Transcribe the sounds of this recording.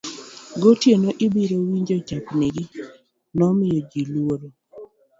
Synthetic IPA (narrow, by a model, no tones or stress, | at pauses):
ɡotjenoʔɪbiɾowiɲd͡ʒod͡ʒapneɡi | nɔmɪjod͡ʒiluwoɾo